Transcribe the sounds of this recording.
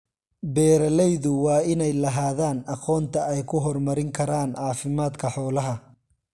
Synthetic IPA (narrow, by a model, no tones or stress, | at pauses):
bɛːɾɐlɛjðʊwɑːɪnɛjlɐɦaːðaːnɑqɔːnt̪ʰɐɛjkʰʊɦɔrmɐɾɪŋkʰɐɾaːnʕɑːfɪmaːd̪kʰɐħɔːlɐɦɐ